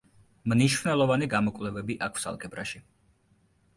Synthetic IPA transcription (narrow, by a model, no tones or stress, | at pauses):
mniʃvnɛlˠɔvaniɡamɔkʼvlɛvɛbiʔakʰsa̰lˠkʰʼɛbɾa̰ʃi